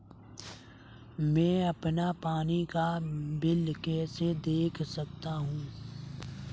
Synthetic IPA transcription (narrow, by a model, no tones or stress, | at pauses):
mɛ̃ːɐpnapaːnikabɪlkɛːsed̪eːkʰsɐk̚t̪aɦũː